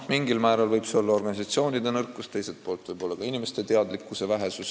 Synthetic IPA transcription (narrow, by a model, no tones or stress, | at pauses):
miŋɡilmæːɾɑlvɤjb̥seo̞lːɑo̞rɡ̥ɑnʲis̬ɑt̪sio̞ːnʲid̪enɤrkːˑust̪e̞jse̞t̪̚po̞ːlt̪ːˑvɤjbo̞lːɑkɑinime̞st̪e̞t̪e̞ɑd̪likːusevæɦe̞sus